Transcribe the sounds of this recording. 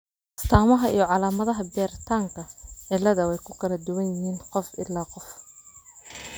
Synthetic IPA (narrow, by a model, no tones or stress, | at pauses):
ɪ̥st̪ʰaːmɐɦɐʔḭjɞʕɑlaːmɐðɐɦɐbɛːɾt̪ʰaːŋkʰɐʕɪlːɐðɐwɛjkʰʊkʰɐlɐd̪ʊwɐnjɪɦiːnqɔfɪ̰lːaːqɔf